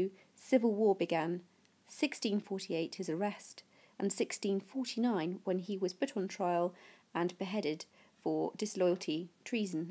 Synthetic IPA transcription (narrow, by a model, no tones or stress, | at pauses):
sɪvəlˠwɔɹbɨɡæ̃n | sɪkstĩnfɔɹɾieɪt̚hɨzə˞ɛst | ʔə̃nsɪkstĩnfɔɹɾʰinãɪ̃nwə̃niwʌz̥pʰʊɾn̩tʰɹ̥aɪəlˠə̃nb̥ɨɦɛɾɪd̥ | fə˞dɨslɔɪl̩ˠtʰitʰɹ̥iz̃n̩